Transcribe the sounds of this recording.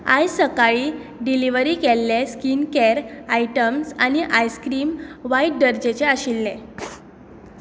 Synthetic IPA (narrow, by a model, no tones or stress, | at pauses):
a̰jsəkaɭiː | ɖiliʋəɾiːkelːeskinkɛɾajʈəmsaniʔajskɾiːmʋajʈ̚ɖəɾd͡ʑet͡ɕeəɕilnẽ